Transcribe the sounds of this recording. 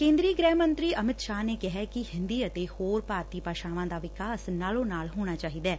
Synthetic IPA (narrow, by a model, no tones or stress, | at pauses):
kẽːnd̪ɾiːɡɾɛːmənt̪ɾiːʔəmɪt̪ʃaːneːkɪɦɛːkɪhɪ̃nd̪iːət̪eːhoːɾpaːɾt̪iːpaːʃaːʋãːd̪aːʋɪkaːsnaːlõːnaːlɦoːɽ̃aːt͡ʃaːɦiːd̪ɛː